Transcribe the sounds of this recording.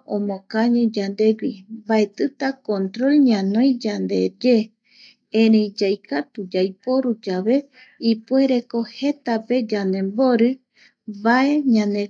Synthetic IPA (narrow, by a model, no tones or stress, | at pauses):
õmõkaɲẽd͡ʒand̪e̞ɡibae̞t̪ɨt̪akõnt̪ɾo̞lɲãnõj̃d͡ʒand̪e̞̰d͡ʒe | ẽɾẽjd͡ʒajkʰat̪ud͡ʒajpo̞ɾud͡ʒaβe̞ | ipue̞ɾe̞kohe̞t̪ape̞d͡ʒanẽ̞mbo̞ɾɨ | βae̞ɲãne